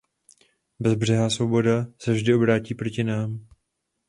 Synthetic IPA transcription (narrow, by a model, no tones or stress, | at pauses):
bɛzbr̝ɛɦaːsvo̞bo̞dasɛvʒdɪo̞bɾaːciːpɾo̞cɪnaːm